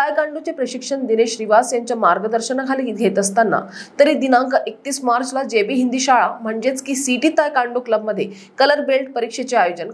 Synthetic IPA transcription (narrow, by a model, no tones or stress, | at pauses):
t̪ajkãɳɖut͡sepɾəɕikʂəɳd̪ineɕɾiʋasjaɲt͡ɕjamaɾɡəd̪əɾɕənakʰaliːɡʱet̪əst̪anːa̰t̪əɾiːd̪inãŋkʔek̚t̪iːsmaɾt͡slad͡ʑebiːɦind̪iːɕaɭam̤əɳd͡ʑet͡skiːsiʈiːt̪ːajkaɳɖukləbməd̪ʱːje | kələɾbelʈ̚pəɾikʂet͡ɕeajod͡ʑən